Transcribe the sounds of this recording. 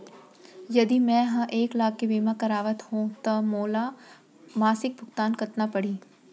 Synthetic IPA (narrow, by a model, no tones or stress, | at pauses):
jɐd̪imɛ̃ɦɐ̃ʔeːklaːɡ̚kebiːmakɐɾaːʋət̪ɦõt̪ɐmoːla | maːsɪk̚bʱʊɡt̪aːnkɐt̪napɐɽiː